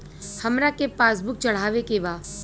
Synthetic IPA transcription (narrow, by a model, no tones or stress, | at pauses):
hɐmɾakepaːsbʊk̚t͡ʃɐɽ̤aːʋekeʋaː